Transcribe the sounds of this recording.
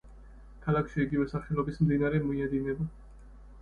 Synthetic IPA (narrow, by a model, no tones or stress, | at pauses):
kʰalˠakʰʃiiɡivɛsaχɛlˠɔbismd̪inaɾɛmɔiad̪inɛba